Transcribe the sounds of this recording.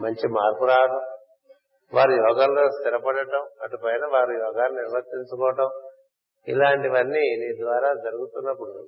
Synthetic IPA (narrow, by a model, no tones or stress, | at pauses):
mɐɲt͡ʃimaːɾkuɾaːʋɐɽɐm | ʋaːɾujɔːɡaːllo̞ːst̪iɾɐpɐɽɐʈɐmɐʈupɐjnɐʋaːɾujɔːɡaːnniɾʋɐt̪ːiɲt͡ʃukɔːʋɐʈɐm | ḭlaːɳʈiʋɐnːiːniːd̪ʋaːɾaːd͡ʒɐɾuɡut̪unːɐpːuɽu